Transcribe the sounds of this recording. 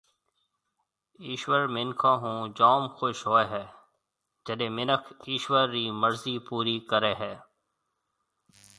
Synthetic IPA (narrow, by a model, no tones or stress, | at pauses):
iːʃwəɾmɪnkʰãːɦũːd͡ʒaːmxʊʃɦoːeɦɛː | d͡ʒəɗẽːmɪnəkʰiːʃʋəɾːiːməɾzipuːɾikəɾeːɦɛː